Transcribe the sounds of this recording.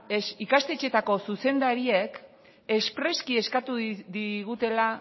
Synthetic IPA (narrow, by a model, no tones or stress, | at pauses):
esikast̪et͡ʃe̞t̪ako̞suse̞nd̪aɾiek | espɾe̞skie̞skat̪uðiɣut̪e̞la